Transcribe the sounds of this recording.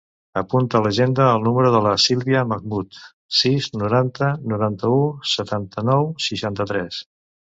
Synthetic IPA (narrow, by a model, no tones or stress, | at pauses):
əpunt̪ələʒend̪əːlˠnuməɾuðələsilˠβiəməɣmut̪ | siznuɾant̪ənuɾant̪əusət̪ant̪ənɔwsiʃant̪ət̪ɾɛs